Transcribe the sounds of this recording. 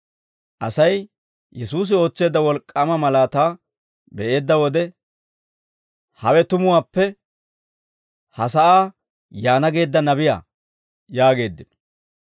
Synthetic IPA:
ʔɐsɐj | jɛsuːs̬ɪo̞ːt͡sːe̞ːd̪ːɐwɔlkʼːɐmɐmɐlaːt̪aː | bɛʔe̞ːd̪ːɐwɔd̪ɛ | hɐwɛt̪ʊmʊwaːpːɛ | hɐsɐʔaː | jaːnɐɡe̞ːd̪ːɐnɐbɪja̰ː | jaːɡe̞ːd̪ːɪn

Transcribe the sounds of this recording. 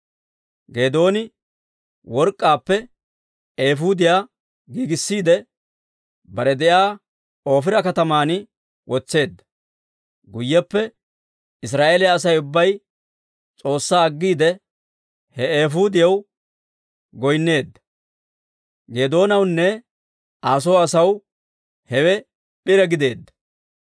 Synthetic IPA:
ɡe̞ːd̪o̞ːnɪ | wɔɾkʼːaːpːɛ | eːfuːd̪ɪjaː | ɡiːɡɪsːiːd̪ɛ | bɐɾɛd̪ɛʔaː | o̞ːfɪɾɐkɐt̪ɐmaːn | wʔɔt͡sːe̞ːd̪ːɐ̥ | ɡʊjːɐpːɛ | ɪs̬ɾaːʔeːlɪjaːs̬ɐjʊbːɐj | t͡sʼo̞ːsːaːɐɡːiːd̪ɛ | hɛeːɦuːd̪ɪjɐw | ɡɔjnːe̞ːd̪ːɐ̥ | ɡeːd̪o̞ːnɐwnːɛ | ʔaːs̬oːɐsɐw | hɛwɛ | pʼɪɾɛɡɪd̪e̞ːd̪ːɐ̥

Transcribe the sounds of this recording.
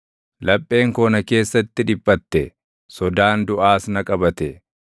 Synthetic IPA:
lɐpʼːe̞ːŋkoːnɐke̞ːsːɐt̪ːɪᶑɪpʼːɐt̪ːɛ | sɔd̪aːnd̪ʊʔaːsnɐkʼɐbɐt̪ɛ

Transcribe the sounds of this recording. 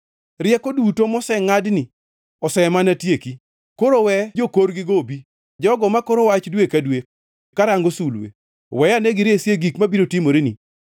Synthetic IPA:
rɪjɛkodutomɔsɛŋadnɪ | ɔsɛmanatjeki | koɾowɛd͡ʒokoɾɡɪɡobi | d͡ʒɔɡɔmakoɾowat͡ʃdwekadwek̚ | kaɾaŋɡosulwḛ | wɛjanɛɡɪɾesjeɡikmabiɾotimoɾeni

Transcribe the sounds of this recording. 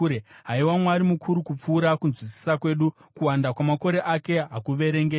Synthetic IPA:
ɾeɦaiwamwaɾimukʰuɾukup͡fuːɾakunzwisi̥sakwe̞ːɗu | kuwandakwamako̞ɾe̞ʔake̞ɦakuʋe̞ɾe̞ŋɡe

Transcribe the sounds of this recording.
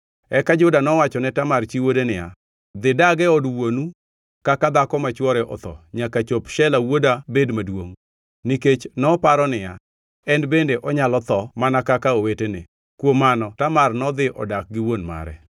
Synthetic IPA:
ɛkad͡ʒʊdanɔwat͡ʃɔnɛtamart͡ʃiwodenɪja̰ | d̪ɪdaɡɛɔdwonu | kakad̪akɔmat͡ʃwɔɾɛʔɔ̰t̪ɔ̰ɲakat͡ʃopʃɛlawodabedmadwoŋ | niket͡ʃnɔpaɾɔnɪja̰ | ɛnbendeʔɔɲalɔt̪ɔmanakakaowetene | kwomanɔtamarnɔd̪ɪʔɔ̰dak̚ɡɪwonma̰ɾɛ̰

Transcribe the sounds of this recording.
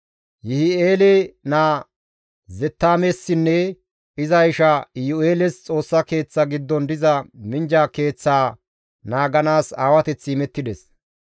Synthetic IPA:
jɪhɪeːlenaː | zɛt̪ːaːmesːɪnːɛ | ɪzɐjɪʃɐjʊeːlɛst͡sʼo̞ːsːɐke̞ːt͡sːɐɡɪd̪ːɔnd̪ɪzɐmɪnd͡ʒaːke̞ːt͡sːaː | naːɡɐnaːsaːwɐt̪ɛt͡sːɪːmɛt̪ːɪd̪ɛs

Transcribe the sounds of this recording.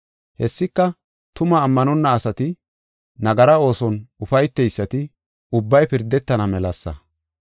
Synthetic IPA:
hɛsːɪkːɐ | t̪ʊmɐːmːɐnɔnːɐːsɐt̪ɪ | nɐɡɐɾɐo̞ːsɔnʊfɐjt̪ːɛjsːɐt̪ɪ | ʊbːɐjpɪɾd̪ɛt̪ːɐnɐmɛlɐsːɐ̰

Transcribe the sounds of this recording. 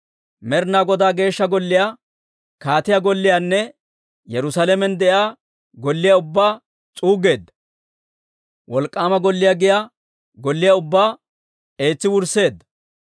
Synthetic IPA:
mɛɾnaːɡɔd̪aːɡe̞ːʃːɐɡɔlːɪjaː | kaːt̪ɪjaɡɔlːɪjaːnːɛ | jɛɾʊsaːlɛmɛnd̪ɛʔaː | ɡɔlːɪjaʊbːaː | t͡sʼuːɡe̞ːd̪ːɐ̥ | wɔlkʼːaːmɐɡɔlːɪjaɡɪja | ɡɔlːɪjaʊbːaː | e̞ːt͡sːɪwʊɾse̞ːd̪ːɐ̥

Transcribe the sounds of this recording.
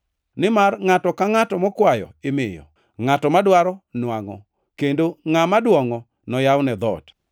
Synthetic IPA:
nɪmarŋatɔkaŋatɔmɔkwajɔ̰ɪmɪjɔ̰ | ŋatɔmadwaɾɔnwaŋɔ̰ | kendoŋamadwɔŋɔ | nɔjawnɛd̪ɔ̰t

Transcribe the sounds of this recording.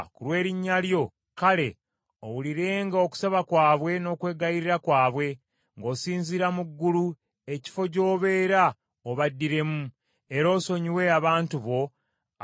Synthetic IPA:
kulwe̞ːɾiɲːaljo̞ | kale̞ | owuliɾe̞ːŋɡaoku̥saβakwaːβwe̞no̞ːkwe̞ːɡaiɾiɾakwaːβwe̞ | ŋɡo̞ːsiːnziɾamuɡːulu | e̞ci̥fo̞ɟo̞ːβe̞ːɾa | oβadːiɾe̞mu | e̞ɾo̞ːso̞ɲiwe̞aβaːntuβo̞

